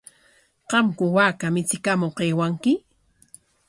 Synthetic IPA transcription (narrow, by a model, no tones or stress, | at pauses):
qɑmkʊwaːkamɪt͡sɪkamoqeːwaŋkɪ